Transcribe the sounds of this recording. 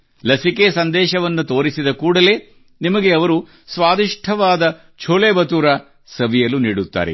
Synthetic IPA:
lɐsikesɐnd̪ɛːʃɐʋɐnːut̪o̞ːɾisid̪ɐkuːɽɐle̞ː | nimɐɡeɐʋɐɾu | sʋaːd̪iʂʈʰɐʋaːd̪ɐ | t͡ʃʰoːleːbɐt̪uːɾa | sɐʋijɐluniːɽut̪ːa̰ːɾḛ

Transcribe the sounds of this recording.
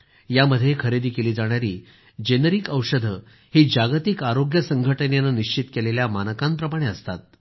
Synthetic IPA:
jaməd̪ʱːjekʰəɾed̪iːkeliːd͡zaɽ̃jaɾiː | d͡ʑenəɾikəwʂəd̪ʱə | hiːd͡ʑaɡt̪ikaɾoɡjəsəŋɡʱəʈənjanəniɕt͡ɕit̪keleljamanəkãmpɾəmaɽ̃eəst̪a̰t̪̚

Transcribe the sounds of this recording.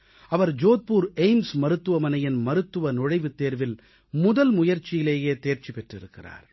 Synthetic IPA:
ʔɐʋɐɾd͡ʒoːt̪̚puːɾeɪmsmɐɾɯt̪ːɯʋɐmɐnɐjɪnmɐɾɯt̪ːɯʋɐnʊɻɐɪʋɯt̪ːeːɾʋɪl | mʊðɐlmʊjɐɾt͡ʃːɪjɪleːjeːt̪eːɾt͡ʃipɛʈrɪɾɯkːɪra̰ːɾ

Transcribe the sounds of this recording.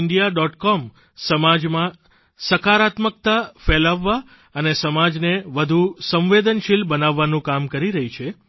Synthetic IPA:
ɳɖijaɖɔʈkɔm | səmad͡ʒmã | səkaɾat̪mək̚t̪afɛlaʋːa | ənesəmad͡ʒneʋəd̪ʱusə̃mʋed̪ənʃilbənaʋːanũkamkəɾiɾəɦit͡ʃʰe

